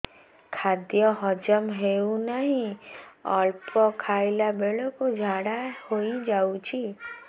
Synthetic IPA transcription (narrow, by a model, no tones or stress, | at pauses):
kʰaːd̪jəɦɔd͡ʒəmɦeunaɦĩɔːlpɔkʰaːɪlabeːlõkod͡ʒʱaːɽahoid͡ʒaːut͡ʃʰi